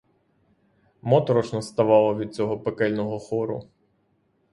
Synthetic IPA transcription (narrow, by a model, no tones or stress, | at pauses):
mɔt̪ɾɔt͡ʃnɔst̪ɐʋɑlˠɔʋʲid̪̚t͡sʲɔɦɔpekɛlʲnɔɦɔxɔɾʊ̰